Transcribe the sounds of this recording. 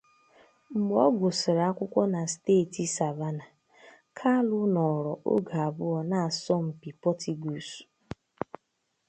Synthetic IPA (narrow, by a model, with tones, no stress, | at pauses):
ŋ͡m̩˨ɡ͡bɔ˦ɡʊ˨sɪ˨ɾa˨a˦kʷʊ˦kʷɔ˦na˨steː˦˨ti˨sa˨va˦na˨ | kʰa˦lʊ˦nɔ˨ɾɔ˨ʔo̰˦ɡa˨a˨bʊ˦ɔ˨na˨sɔ˦m̩˨pi˨pɔ˦tʰi˨ɡu˨su̥˨